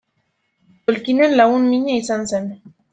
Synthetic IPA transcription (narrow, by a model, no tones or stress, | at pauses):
t̪olkinenlaɣunmiɲaisansen